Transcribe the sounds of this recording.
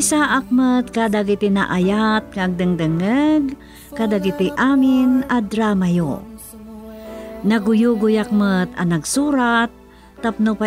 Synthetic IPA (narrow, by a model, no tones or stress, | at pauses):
ɪsaːʔak̚mət̪̚kad̪aɡɪt̪ɪna̰ʔajat̪̚ŋaɐɡ̚d̪ɨŋd̪ɨŋəɡ | kad̪aɡɪt̪ɪʔaːmɪnɐd̪ɾaːmajo | nɐɡʊjuːɡʊjak̚mət̪ɐ̰nɐɡsuːɾat̪̚ː | ɐp̚nopa